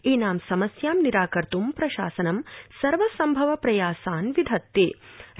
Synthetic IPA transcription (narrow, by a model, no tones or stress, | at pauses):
iːnaːmsɐmɐsjaːmniɾaːkɐɾt̪umpɾɐʃaːsɐnɐmsɐɾʋɐsɐmbʱɐʋɐpɾɐjaːsaːnʋid̪ʱɐt̪ːeː